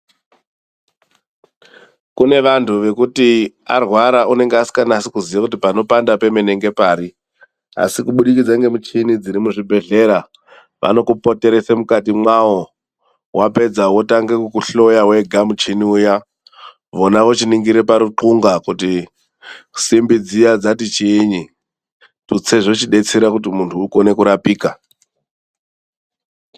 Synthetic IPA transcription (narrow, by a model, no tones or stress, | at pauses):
kune̞ʋantʰuʋe̞kuti | a̰rwaɾaʔune̞ŋɡeasi̥kanaːsikuzijakut̬ipano̞pandape̞mene̞ŋɡe̞paːɾi | a̰sikuɓuɗik̬id͡zaŋɡe̞mut͡ʃinid͡ziɾimuʐibʱe̞ɮe̞ɾa | ʋa̰no̞kupo̞te̞ɾe̞semukatimwao | wape̞d͡zawo̞taŋɡekukuɬo̞jawe̞ɡʱamut͡ʃiniuja | ʋo̞naʋo̞t͡ʃiniŋɡiɾepaɾuǃuŋɡakuti | simbid͡zijad͡zatit͡ʃiːɲi | tut͡se̞ʐo̞t͡ʃiɗe̞t͡seɾakutimuntʰuːko̞ne̞kuɾapiːka